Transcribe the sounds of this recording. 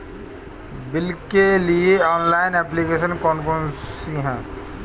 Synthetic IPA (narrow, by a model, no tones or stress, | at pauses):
bɪlkelieɔːnlaːɪnɛːplikeːʃənkɔːnfəɾənsiɦɛ̃ː